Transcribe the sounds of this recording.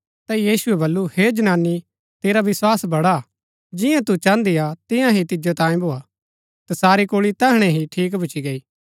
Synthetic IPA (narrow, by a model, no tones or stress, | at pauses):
t̪ajiːsʊɛbɐlːuheːd͡ʒɐnaːnːi | t̪eːɾaʋɪswaːsbɐɽa | d͡ʒɪjãt̪ut͡ʃãːnd̪ijat̪ɪ̃jãɦit̪ɪd͡ʒot̪ãːĩbʱoːa | t̪ɐsaːɾikoːɭit̪ɛɦɽ̃ɛ̃ɦiʈʰiːkbʱʊt͡ʃiɡɐiː